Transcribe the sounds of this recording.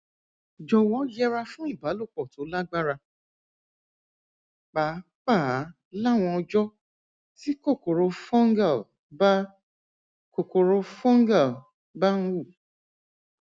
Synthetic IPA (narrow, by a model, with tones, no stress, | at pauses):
d͡ʒɔ˧wɔ̃˨˦jɛ˦ɾa˧fũ˦i˦˨ba˨˦lo˦˨k͡pɔ˨to˨˦la˦ɡ͡ba˦ɾa˧ | k͡pa˨˦ | k͡pa˦˨˦ | la˦˨w̃ɔ̃˧ɔ˧d͡ʒɔ˦ | ti˦ko˦˨ko˨ɾo˧fɔ̃˦ŋɡa˦˨l | ba˦ | ko˨ko˨ɾo˧fɔ̃˦ŋ˦ɡa˦˨l | ba˦ñ̩˦u˦˨